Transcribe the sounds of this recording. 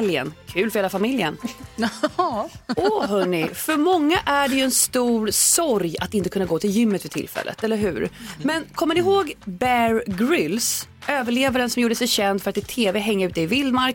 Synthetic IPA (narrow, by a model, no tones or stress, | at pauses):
ljə̰nkʰʉ̟ːlfœɾheːlafamɪljən | ʔɔɦɵnːɪfœɾmɔŋːaʔæɖɛjɵɛnst̪uːɾsɔɾjat̪ɪnt̪əkʰɵnːaɡoːt̪ʰɪljʏmːət̪fœʈʰɪ̰lfɛ̰lːʔə̰t̪ɛlːəɾɦʉ̟̰ːɾmɛnkʰɔmːənɪɦoːɡbæɾɡɾʏlsøːvəɭeːvaɾənsɔmjuːɖəɛsɛɕɛnd̪fœɾat̪ɪt̪ʰeːveɦɛŋːəɾʉ̟ːt̪əɪvɪld̪maɾk